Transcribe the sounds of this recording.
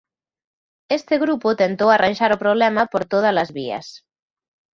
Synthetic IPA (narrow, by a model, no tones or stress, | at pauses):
est̪eɣɾupot̪ent̪owaranʲʒaɾopɾoβ̞lɛmapoɾt̪oð̞alazβiɐ̰s